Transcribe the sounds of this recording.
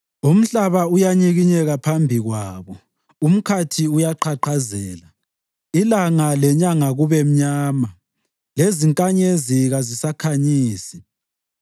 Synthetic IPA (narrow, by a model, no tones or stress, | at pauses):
um̩ɬaβaujaɲiɣiɲɛɣapʰambʱiɣwaːβɔ | um̩kʰatʰiujaǃʰaǃʰazɛːla | ilaŋalɛɲaŋaɣuβem̩ɲaːma | leziŋkʼaɲeziɣazisakʰaɲiːsi̥